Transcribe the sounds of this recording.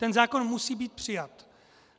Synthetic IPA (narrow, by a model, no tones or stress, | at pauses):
t̪ɛnzaːkonmusiːbiːt̪̚pr̝̥ɪjat̪